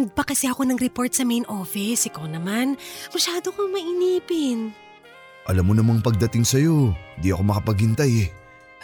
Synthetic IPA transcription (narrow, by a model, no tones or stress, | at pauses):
d̪̚pɐkɐsɛʔɐko̞nɐŋɾɪpo̞ɹt̪̚sɐmejnʔoːfɪsʔɪkɐwnɐmanmɐʃaːd̪okomɐʔɪniːpɪn | ʔɐlamːonɐmɐŋpɐɡ̚d̪ɐt̪ɪŋsɐjo̞hɪnd̪iʔɐko̞mɐkɐpɐɡhɪnt̪ajɛ